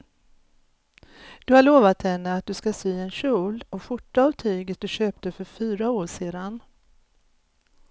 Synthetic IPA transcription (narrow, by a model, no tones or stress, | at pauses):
d̪̥ɵhaɭoːvat̪hɛnːəat̪̚d̪ɵskasyːɛnɕuːlɔɧʊʈːaːvt̪ʰyːɡət̪̚d̪ɵɕøːp̚t̪əfœɾfyːɾaoːʂeːd̪an